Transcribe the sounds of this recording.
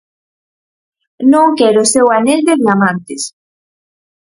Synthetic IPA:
nõŋkɛɾosewaneld̪eβjamãnt̪ɪs

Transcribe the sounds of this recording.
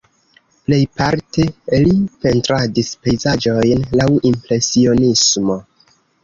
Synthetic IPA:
ple̞jpaɾte̞lipe̞ntɾadispe̞jzad͡ʒo̞jnlawʔimpɾe̞sio̞nismo̞

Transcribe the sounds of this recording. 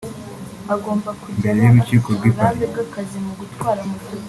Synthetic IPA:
aɡo̞ːmbakumbeɾejiɾut͡ʃiːkoɾɡwikaeɡakazimuɡutwaːɾamu

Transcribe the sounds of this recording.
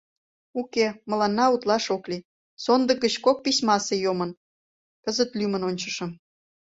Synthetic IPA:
ukemə̆lɑnːɑut̪lɑʃokli | sond̪ə̆ɡət͡ɕkok̚pisʲmɑsejomə̆n | kəzət̪lymənonʲt͡ɕə̆ʃə̆m

